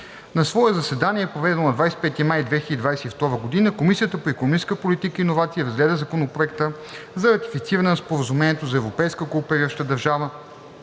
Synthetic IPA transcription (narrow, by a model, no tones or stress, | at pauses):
nɐsvɔɛzɐsɛd̪aniɛɛpɾovɛd̪ɛnonɐd̪vajsɛ̥pɛt̪imajd̪vɛxilʲəd̪id̪vajsɛift̪ɔɾəɡod̪inəkomisijət̪əpoɛkonomit͡ʃskəpolit̪ikəinovat̪siəiɾɐzɡlɛd̪əzɐkonopɾoɛkt̪ə | zɐɾɐt̪i̥fit̪siɾɐnɛnɐspoɾəzumɛniɛt̪ozɐɛvɾopɛjskəkolˠpɛɾʲiʃt̪əd̪ɐɾʒavə